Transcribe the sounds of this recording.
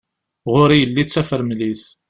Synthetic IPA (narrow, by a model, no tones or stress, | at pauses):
ʁʊɾijəlːit͡sːæfəɾmliθ